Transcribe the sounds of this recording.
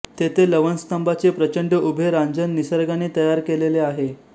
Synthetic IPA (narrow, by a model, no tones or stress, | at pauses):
t̪et̪ʰeləʋənst̪əmbat͡sepɾət͡ɕəɳɖəʔubʱeɾãɲd͡zənːisəɾɡaneːt̪əjaɾkeleleaɦe